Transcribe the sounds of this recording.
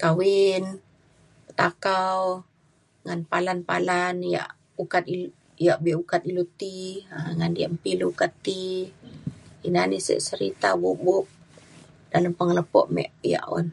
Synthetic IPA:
kawin | ət̪akaw | ŋanpalanpalanja̰ʔ | ukat̪i | jaʔbɛʔukat̪ilut̪iaŋandiaʔmpiluukat̪ːi | inanisɛ̰ʔsəɾit̪abuʔbup̚ | daləmpəŋələpɔ̰ʔmɛ̰ʔja̰ʔɔ̰n

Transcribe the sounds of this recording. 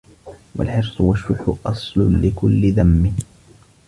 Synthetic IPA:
wa̰lħɪɾsˤʊwaʃːʊkːʊʔɑsˤlʊnlɪkʊlːɪðamːɪ

